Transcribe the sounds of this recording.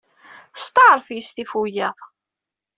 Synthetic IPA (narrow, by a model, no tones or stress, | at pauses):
st̪ˤɑɾˤfjist̪ifujæðˤ